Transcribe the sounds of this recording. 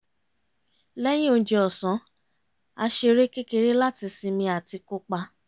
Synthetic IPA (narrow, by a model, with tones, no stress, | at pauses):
lɛ˦j̃ĩ˦o˧˦d͡ʒe˧ɔ˨sɔ̃˨˦ | a˧ʃe˧ɾe˦ke˦ke˧ɾi˦la˦ti˧si˧mĩ˧a˨ti˧ko˦k͡pa˧